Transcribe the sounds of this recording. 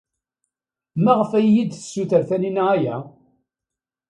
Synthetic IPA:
mæʁəfæjːid̪θə̥sːuθəɾθæninæjæ

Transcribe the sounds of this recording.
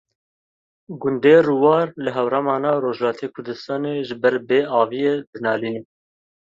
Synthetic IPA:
ɡʊnd̪eːruwɑːɾlɨɦɛwɾɑmɑːnɑːɾoːʒlɑːt̪ʰeːkʰʊɾd̪ɨst̪ɑːneːʒɨbɛɾbeːɑːvijeːd̪ɨnɑːliːnɛ

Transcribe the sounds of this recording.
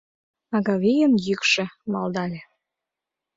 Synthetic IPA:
ɑɣɑβijənjykʃĕmɑld̪ɑlʲe

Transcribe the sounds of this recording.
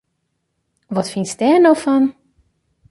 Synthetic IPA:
ʋɔtfinstɛnowfɔn

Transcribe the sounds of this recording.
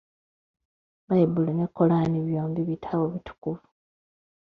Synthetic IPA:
βajibulinekʰːo̞laːniβjo̞ːmbiβitʰawoβitʰu̥kuvu

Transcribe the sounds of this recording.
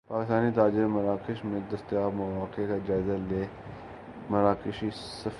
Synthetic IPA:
paːkɪst̪aːnit̪aːd͡ʒɪɾmɐɾaːkɪʃmẽd̪ɐst̪jaːbmɐʋaːkekad͡ʒaːɪzaleː | mɐɾaːkɪʃi | sɐf

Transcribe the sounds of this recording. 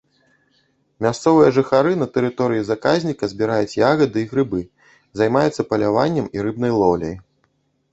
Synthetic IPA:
mʲast̪sɔvɨjɐʐɨxaɾɨnɐt̪ɛɾɨt̪ɔɾɨjizakazʲnʲikɐzʲbʲiɾajut͡sʲjaɣɐd̪ɨiɣɾɨbɨ | zajmajut̪sːɐpɐlʲavanʲːɛmiɾɨb̚nɐjlˠɔlʲɐ̰j

